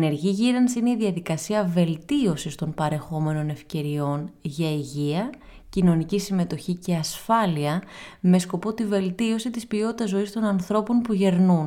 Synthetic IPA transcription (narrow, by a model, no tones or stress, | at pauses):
ne̞ɾʝiʝiɾɐnsineiðiɐðikɐsiɐve̞lt̪io̞sist̪o̞npɐɾe̞xo̞me̞no̞ne̞fce̞ɾio̞nʝɐiʝiɐ | cino̞nicisime̞t̪o̞çice̞ɐsfɐliɐme̞sko̞po̞t̪ive̞lt̪io̞sit̪ispio̞t̪it̪ɐzːo̞ist̪o̞nɐnθɾo̞po̞npuʝe̞ɾnun